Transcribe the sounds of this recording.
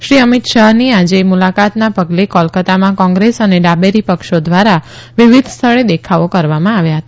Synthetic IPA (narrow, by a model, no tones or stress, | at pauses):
ʃɾiəmɪt̪ʃaɦniad͡ʒemulakat̪napəɡlekɔlkət̪amãkɔ̃ŋɡɾesəneɖabeɾipəkʃod̪ʋaɾaʋɪʋɪd̪ʱst̪ʰəɭed̪ekʰaokəɾʋamãaʋjaɦət̪a